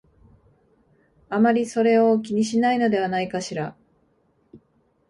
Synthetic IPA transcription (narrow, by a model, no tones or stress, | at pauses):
amaɾʲiso̞ɾe̞o̞kʲiɲ̟iɕinaino̞d̪e̞β̞anaikaɕiɾa